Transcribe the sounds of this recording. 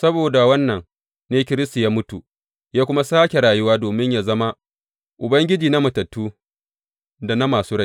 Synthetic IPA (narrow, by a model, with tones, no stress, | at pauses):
sɐ˦boː˨da˨wɐ˦nːɐ˨ŋ | neː˦kʲɪ˦ɾɪ˦sta˨jaː˦mʊ˦tu˨ | jaː˦kʷʊ˦ma˦saː˦kʲe˨ɾaː˨jʊ˦waː˦doː˨mɪ˦ɲja˨zɐ˦ma˦ | ʔʊ˨bɐ˦ŋɡʲɪ˦d͡ʒiː˨na˦mɐ˨tɐ˨tːuː˦ | da˨na˦maː˨suː˦ɾa˦